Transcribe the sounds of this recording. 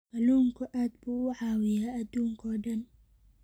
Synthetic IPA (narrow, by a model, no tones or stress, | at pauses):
mɐluːŋkʰʊʔaːd̪̚buːʊʕaːwɪjaːɐd̪uːŋkʰɔːɖɐn